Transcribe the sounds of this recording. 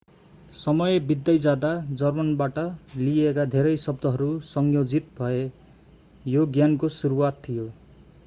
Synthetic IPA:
sʌmʌjebid̪ːʌjd͡zad̪ad͡zʌrmʌnbaʈʌliekad̪ʱeɾʌjsʌb̚d̪ʱʌɦʌɾusʌŋjod͡zit̪bʱʌe | joɡjankosuɾuwat̪ʰːijo

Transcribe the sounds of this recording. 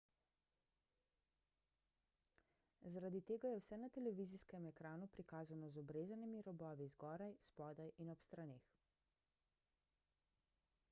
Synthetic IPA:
zaɾad̪it̪eːɡajɛwsɛnat̪ɛlɛʋiːziskɛmɛkɾaːnupɾikaːzanɔzɔbɾeːzanimiɾɔbɔːʋizɡɔːɾajspɔːd̪ajʔinɔpst̪ɾaneːx

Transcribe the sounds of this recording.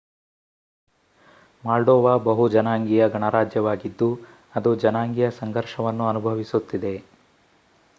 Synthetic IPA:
maːlɖɔːʋaːbɐɦud͡ʒɐnaːŋɡijɐɡʱɐɳɐɾaːd͡ʒjɐʋaːɡid̪ːu | ɐd̪ud͡ʒɐnaːŋɡijɐsɐŋɡʱɐɾʃɐʋɐnːuɐnubʱɐʋisut̪ːid̪e̞

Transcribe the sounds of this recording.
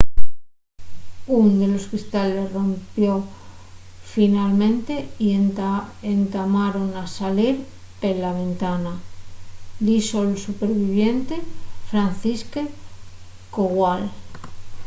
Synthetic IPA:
und̪e̞lo̞skɾist̪ale̞sro̞mpjo̞ | finalmẽ̞nt̪e̞i | ent̪amaɾo̞nasaliɾ | elaβ̞e̞nt̪ana | d̪isolsupe̞ɾβiβ̞je̞nt̪e̞fɾan̟θiske | koɣwal

